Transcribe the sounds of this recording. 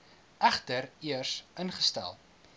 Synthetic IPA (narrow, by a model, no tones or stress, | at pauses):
ʔæχtəriərsʔənχəstæ̰lˠ